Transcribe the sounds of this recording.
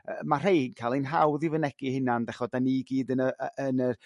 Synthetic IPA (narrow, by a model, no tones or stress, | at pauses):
əmar̥ejhiːnkʰalˠinɦawðɪvənɛɡ̥ihɪnandɛχɔdaniɡiːdənəəənə